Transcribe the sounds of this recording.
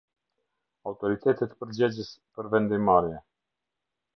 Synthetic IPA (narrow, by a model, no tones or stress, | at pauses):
awt̪ɔɾit̪ʰɛt̪ɛt̪pəɾd͡ʑɛd͡ʑəspəɾvɛnd̪imaɾjɛ